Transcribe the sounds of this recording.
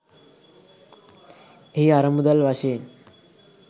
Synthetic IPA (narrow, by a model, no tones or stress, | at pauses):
ɦiːaɾəmud̪əlʋaɕeːn